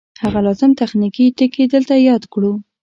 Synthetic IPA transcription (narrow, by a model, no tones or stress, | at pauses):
haɣalɑzɪmt̪axnikiʈ̪əked̪əlt̪ajɑd̪kɽu